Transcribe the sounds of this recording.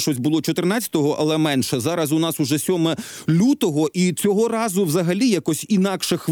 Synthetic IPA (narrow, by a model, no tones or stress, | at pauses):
ʃɔsʲbʊlˠɔt͡ʃɔt̪ɪrnɑt͡sʲɐ̥t̪ɔɦɔʔɐ̰lˠɛmɛnʃɛzɑɾɐsʊnɑsʊʒɛsʲɔmɛ | lʲut̪ɔɦɔʔit͡sʲɔɦɔɾɑzʊwzɐɦɐlʲijakɔsʲinɑkʃɛx